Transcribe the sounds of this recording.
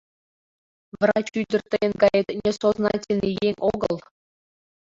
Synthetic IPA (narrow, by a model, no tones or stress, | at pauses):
ʋrɑt͡ɕydʲɘ̆rʲt̪ʲːɤ̆jɤ̆nɡɑjɤt̪ʲnʲesoznɑtʲelʲnʲejeŋʲoɡɤ̆lˠ